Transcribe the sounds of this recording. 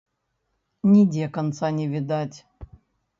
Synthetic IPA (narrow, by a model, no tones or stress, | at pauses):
nʲɪdʲekɐnt̪sanʲɪvʲɪd̪atʲ